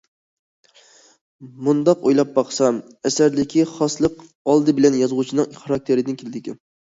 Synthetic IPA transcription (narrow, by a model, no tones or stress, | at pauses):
mund̪ɑqojlˠɑp̚bɑqsɑm | ɛsæɾd̪ɪkʲʰiχɑslˠəq | ɑlˠd̪ɨbɪlɛnjɑzʁut͡ʃʰinɨŋχɑɾɑk̚t̪ʰeɾɪd̪ɪnkʲʰelɪd̪ɪkʲɪn